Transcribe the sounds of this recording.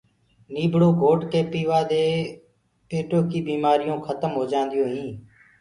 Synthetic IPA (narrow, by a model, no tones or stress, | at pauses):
niːbʱɽoːɡʱoːɖkeːpiːʋaːd̪eː | peːʈoːkiːbiːmaːɾɪjõːkʰət̪əmɦoːd͡ʒãːnd̪ɪjõːɦĩː